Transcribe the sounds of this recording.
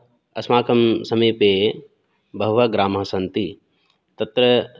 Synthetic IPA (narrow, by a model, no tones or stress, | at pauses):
ɐsmaːkɐmsɐmiːpeː | bɐɦʋɐɡɾaːmɦɐsɐnt̪i | t̪ɐt̪ɾɐ